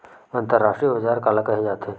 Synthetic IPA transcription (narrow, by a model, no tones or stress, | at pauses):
ə̃nt̪əɾːaʂʈɾijəbəd͡ʒaːɾkaːlakɐɦed͡ʒaːt̪ʰeː